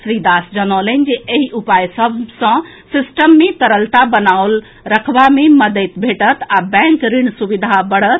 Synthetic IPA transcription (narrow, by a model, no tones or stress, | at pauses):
sɾid̪asd͡ʒənələnd͡ʒeʔeɦiʔupajsəbʱsə̃ | sisʈəmːet̪əɾəlt̪abənaol | ɾəkʰbameməd̪ət̪bʱeʈət̪abɛ̃ŋkɾiɳsubid̪ʱabəɽət̪̚